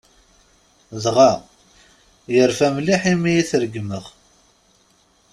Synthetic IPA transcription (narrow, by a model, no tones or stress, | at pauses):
ðʁæ | jəɾfæmliħimijiθɾəɡməʁ